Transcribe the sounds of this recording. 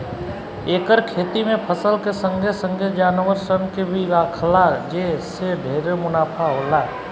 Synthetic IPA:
eːkəɾkʰeːt̪imẽpʰəsəlkesə̃ŋɡʱesə̃ŋɡʱed͡ʒaːnʋəɾsənkebʱiɾaːkʰlad͡ʒeseɖʱeːɾemʊnaːpʰaɦoːlaː

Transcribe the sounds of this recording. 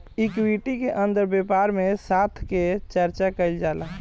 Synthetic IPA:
ikwiʈikeʔə̃nd̪əɾbeːpaːɾmẽsaːt̪ʰket͡ʃəɾt͡ʃakəɪld͡ʒaːla

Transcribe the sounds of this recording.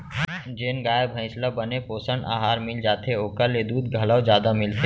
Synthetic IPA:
d͡ʒeːnɡaːebʱə̃ɪ̃sləbənepoːsəɳɖa̰ːɦaːɾmɪld͡ʒaːt̪eoːkəlːed̪uːd̪ɡʱɐləwd͡ʒjaːd̪amɪlt̪e

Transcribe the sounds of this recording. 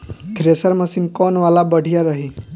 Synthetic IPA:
t̪ʰɾesəɾməsimkɔːnʋalabəɽ̤ʱijaɾəɦi

